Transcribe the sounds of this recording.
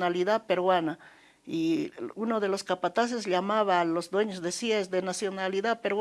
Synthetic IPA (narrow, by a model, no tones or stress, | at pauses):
naliðaðpeɾwana | iunoðe̞lo̞skapat̪as̬e̞sʎamaβalozd̪we̞ɲozðesjesd̪e̞nasjonaliðaðpeɾw